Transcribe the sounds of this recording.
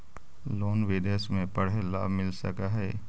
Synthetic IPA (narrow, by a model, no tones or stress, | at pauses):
loːnʋed̪esmẽpəɽ̤ela̰ːbʱmɪlsə̰kaɦɛː